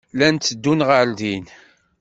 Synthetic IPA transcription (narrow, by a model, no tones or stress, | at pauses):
lænt̪ːəd̪ːunʁald̪in